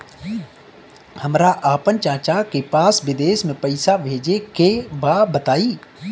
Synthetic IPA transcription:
hɐmɾaʔaːpənt͡ʃaːt͡ʃakepaːsʋɪd̪eːʃmẽpɐɪsaʋʱeːd͡ʒekebaːbət̪aːiː

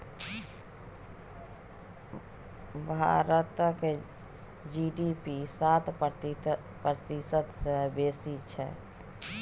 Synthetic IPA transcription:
bʱa̰ɾət̪ke | d͡ʒiɖipisat̪ | pɾət̪isət̪sẽbesit͡ʃʰɛ̰

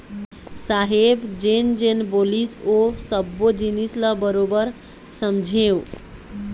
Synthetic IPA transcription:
saɦebd͡ʒend͡ʒenbolisosʌbːod͡ʒinislʌbʌɾobʌɾ | sʌmd͡ʒʱew

